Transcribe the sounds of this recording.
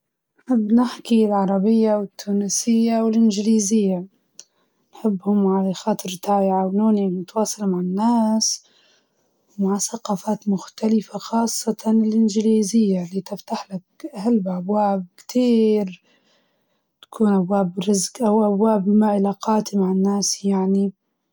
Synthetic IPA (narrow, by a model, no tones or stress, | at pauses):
nnħɪbːnɪħkilʕɑɾˤɑbɪjːawɪt̪ʰːuːnɪsɪjːawɪlʔɪnd͡ʒliːzɪjːa | nħɪbːhʊmʕalaxɑːt̪ˤɨɾt̪ʰaːjɪʕawnuːnimʊt̪wɑːsˤɑlmaʕanːaːs | wmaʕsaqɑːfaːt̪mʊxt̪alɪfaxɑːsˤːɑt̪ʰɑnɪlʔɪnd͡ʒɪliːzɪjːaliːt̪ɪft̪aħlakʔahalːbʔabwaːb̚kt̪ʰiːɾ | t̪ḁkʰuːnʔabwaːbɾɪzkʔawʔabwaːbmaʔɪlaqɑːt̪imaʕanːaːsjaʕni